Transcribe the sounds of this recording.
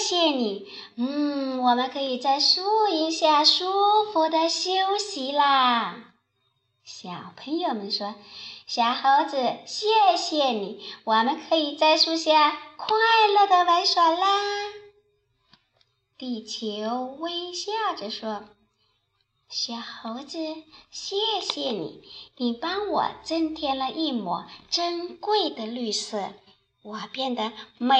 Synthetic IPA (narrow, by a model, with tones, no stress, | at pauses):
ɕjɛ˥˩ni˨˩˦ | n̩˥˩wɔ˨˩mə˦nkʰɤ˧˥i˨˩t͡sa˥˩ɪʂu˥i˧˥ŋɕja˥˩ʂu˥fu˧˥d̪ə˧˨ɕjo˥ʊɕi˧˥lə˧ | ɕjɑ˨˩ʊpʰə˧˥ŋjo˨˩ʊmə˦nʂwɔ˥ɕjɑ˨˩ʊxa˧˥ʊd͡zɹ̩˨˩t͡ɕjɛ˥˧ɕjɛ˥˩ni˨˩˦wɔ˨˩mə˧˦nkʰɤ˧˥i˨˩t͡sa˥˩ɪʂu˥ɕja˥˩kʰwa˥˧ɪlɤ˥˩d̪ə˩wa˧˥ɪʂwa˨˩nlə˧ | t̪i˥˩t͡ɕʰjo˧˥ʊwe˥ɪɕja˥˩ʈ͡ʂə˩ʂwɔ˥ | ɕjɑ˨˩ʊxo˧˥ʊd͡zɹ̩˧ɕjɛ˥˩ɕjɛ˨˩nḭ˨˩˦ni˨˩pɑ˥ŋwɔ̰˨˩ʈ͡ʂə˥nt̪ʰjɛ˥nlə˧ʔi˥˧mwɔ̰˨˩˦ʈ͡ʂə˥nkwe˥˩ɪd̪ə˩ly˥˩sɤ˥˩ | wɔ˨˩pjɛ˥˩nd̪ə˩me˧